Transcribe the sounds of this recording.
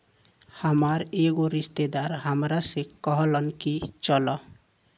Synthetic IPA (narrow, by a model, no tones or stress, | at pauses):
həmaɾeɡoɾist̪ed̪aɾɦəmɾasekɔɦlənkit͡ʃɔlɔ